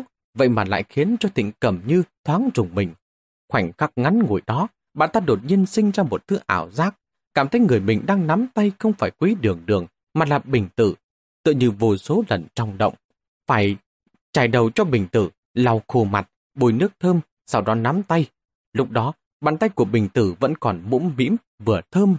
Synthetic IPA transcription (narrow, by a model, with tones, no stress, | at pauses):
ʊ˥k̚ | və̰˧˨jmaː˨˩la̰ː˧˨jxi˨˦ənt͡ɕɔ˧t̪ḭ˧˨ŋ̟kə˧˩mɲɨ˧t̪ʰwaː˨˦ŋzʊ˨˩ŋ͡mmï˨˩ŋ̟ | xwa˧˩jŋ̟xa˦˥k̚ŋa˨˦nŋu˨˩jɗɔ˨˦ | ɓa̰ː˧˨nt̪aː˧ɗo˨˩t̚ɲi˧ənsï˧ŋ̟zaː˧mo˨˩t̚t̪ʰɨ˨˦ʔaː˧˩wzaː˦˥k̚ | kaː˧˩mt̪ʰə˨˦jŋɨ˨˩əjmï˨˩ŋ̟ɗaː˧ŋna˨˦mt̪a˧jxə˧wŋ͡mfaː˧˩jkwi˨˦ɗɨ˨˩əŋɗɨ˨˩əŋ | maː˨˩laː˨˩ɓï˨˩ŋ̟t̪ɨ˧˩ | t̪ɨ̰˧˨ɲɨ˧vo˨˧˩so˨˦lə˨˩nt͡ɕɔ˧wŋ͡mɗə̰˧˨wŋ͡m | faː˧˩j | t͡ɕaː˧˩jɗə˨˩wt͡ɕɔ˧ɓï˨˩ŋ̟t̪ɨ˧˩ | la˧wxo˧ma̰˨˩t̚ | ɓu˧˩jnɨ˦˥ək̚t̪ʰəː˧m | sa˧wɗɔ˨˦na˨˦mt̪a˧j | lʊ˦˥k͡p̚ɗɔ˨˦ | ɓa̰ː˧˨nt̪a˧jku˧˩əɓï˨˩ŋ̟t̪ɨ˧˩və̰˧˥nkɔ˨˩nmṵ˧˥mmḭ˧˥əm | vɨ˨˩ət̪ʰəː˧m